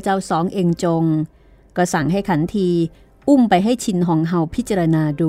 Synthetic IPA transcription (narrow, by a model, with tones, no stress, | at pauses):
t͡ɕa˧˩wsɔː˩˦ŋʔeː˧ŋt͡ɕo˧ŋ | kɔ˥˩sa˨˩ŋɦa˥˩jkʰa˩˦nt̪ʰiː˧ | ʔu˥˩mpa˧jɦa˥˩jt͡ɕʰi˧nkʰɔː˩˦ŋɦa˧wpʰi˦˥t͡ɕa˧ɾa˧naː˧duː˧